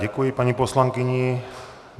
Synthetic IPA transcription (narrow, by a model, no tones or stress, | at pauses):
ɛkujipaɲipɔslaŋkɪɲi